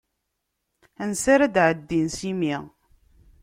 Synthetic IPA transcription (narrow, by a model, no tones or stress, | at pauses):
ænsaɾæd̪ʕəd̪ːinsimiʁ